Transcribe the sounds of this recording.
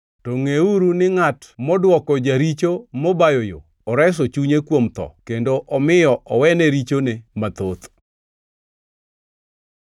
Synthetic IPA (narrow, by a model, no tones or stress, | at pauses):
toŋeuɾunɪŋatmɔdwɔkɔd͡ʒaɾit͡ʃomɔbajojo̰ | ɔɾɛs̬ɔt͡ʃuɲekwomt̪ɔ̰kendoʔɔmɪjɔʔɔwɛnɛɾit͡ʃonemat̪ot̪